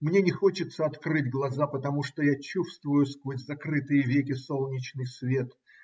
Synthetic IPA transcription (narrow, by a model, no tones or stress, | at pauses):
mnʲenʲɪxo̞t͡ɕɪt̪səɐt̪kɾɨtʲɡlˠɐzapət̪ɐmuʂt̪o̞jat͡ɕufst̪vʊjʊskvozʲzɐkɾɨt̪ɨjəvʲekʲɪsolˠnʲɪt͡ɕnɨjsvʲe̞t̪